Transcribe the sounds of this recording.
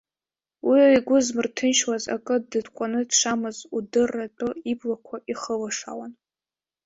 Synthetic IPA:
wiiɡʷʊzmɨrtʰɨnʃwaza̰kʼɨdɨdkʷʼanɨdʂamɨzudɨrːatʼoiblakʷʰaʔiχəlaʂa̰wan

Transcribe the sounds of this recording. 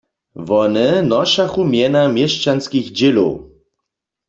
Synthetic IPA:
vɔnɛnɔʃaxumjɛnamjɛʃt͡ʃanskixd͡ʑelo̰

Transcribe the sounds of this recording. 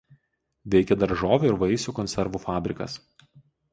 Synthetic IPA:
ʋʲɛɪkʲɛd̪ɐɾʒoːʋʲeɪɾʋɐɪsʲuːkɔnʲsʲɛɾʋuːfɑːbʲɾʲɪkɐ̰s

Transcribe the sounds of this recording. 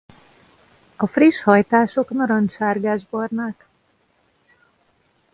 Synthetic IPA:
ɒfriʃhɒjt̪aːʃo̞knɒɾɒnʃaːrɡaːʒbɒrnak

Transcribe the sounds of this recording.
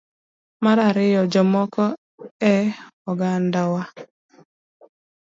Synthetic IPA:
maɾaɾɪjɔd͡ʒɔmɔkɔ | ɛɔɡandawa

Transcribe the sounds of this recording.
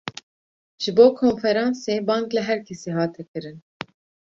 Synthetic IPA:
ʒ̥ɨboːkʰoːnfɛɾɑːnseːbɑːŋklɛɦɛɾkʰɛsiːɦɑːt̪ʰɛkɨɾɨn

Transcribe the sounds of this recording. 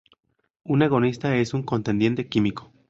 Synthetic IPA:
une̞ɣo̞nist̪ae̞suŋko̞nt̪e̞nd̪je̞nt̪e̞kimiko̥

